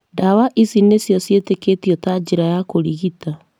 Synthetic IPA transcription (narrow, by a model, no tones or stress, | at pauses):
ndawaʔisinesjɔsjeteketjɔtad͡ʒeɾajakoɾiɣita